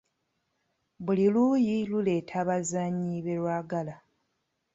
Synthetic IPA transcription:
buliluːjilule̞ːtʰaβazaːɲiβe̞lwaːɡala

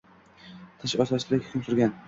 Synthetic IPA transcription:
t̪ʰɪʃɒt̪ʰasɪd̪akʲʰʊ̥kʰʲʊmsʊɾɡʲan

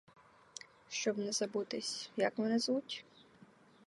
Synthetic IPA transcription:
ʃt͡ʃɔbnɛzɐbut̪ɪsʲjɐkmɛnɪzutʲ

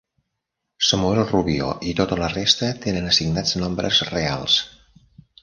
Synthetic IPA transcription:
səmueɾoruβio̰ʔit̪ot̪ələrest̪ət̪enənəsiɡnad͡znɔmbɾə̰zrea̰lˠs

